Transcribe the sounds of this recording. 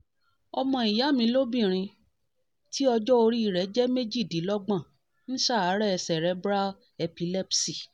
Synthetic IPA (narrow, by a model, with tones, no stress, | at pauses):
ɔ˧mɔ̃˧i˨ja˨˦˨mĩ˧˦lo˦bĩ˦˨ɾ̃ĩ˧ | ti˦ɔ˧d͡ʒɔ˦o˧ɾi˦i˦˨ɾɛ˨˦d͡ʒɛ˦me˦d͡ʒi˦˨di˨˦lɔ˦ɡ͡bã˦˨ | ñ̩˦ʃa˦˨a˨˦ɾɛ˦ɛ˧sɛ˨ɾɛ˨˦bɾa˦ | ɛ˧pi˧lɛ˦psi˦˨